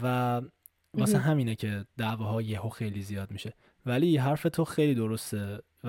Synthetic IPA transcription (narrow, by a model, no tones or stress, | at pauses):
væ | vɒːsænɦæmiːnecʰe̞d̪æʔvɒːɦɒːjehoxe̞jliːzijɒːd̪̚miːʃe̞ | væliɦæɾfe̞t̪ʰoxejliːd̪oɾo̞st̪e | v